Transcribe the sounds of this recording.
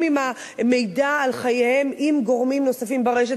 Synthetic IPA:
mima | me̞jdaːlχajehe̞mimɡo̞ʁmimnosafimbeʁeʃ̬e

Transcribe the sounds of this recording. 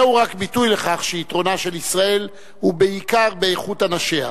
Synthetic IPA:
euʁakbitujle̞χaχʃeitʁo̞naʃelisʁae̞l | hube̞ikaʁbe̞eχutanaʃe̞a̰

